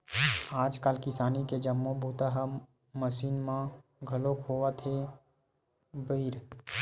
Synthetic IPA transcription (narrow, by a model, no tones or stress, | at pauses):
aːd͡ʒkaːlkɪsaːniked͡ʒəmːõbʱuːt̪aɦa | məʃiːnmãɡʱɐlokʰoːwat̪ʰe | bəːɾ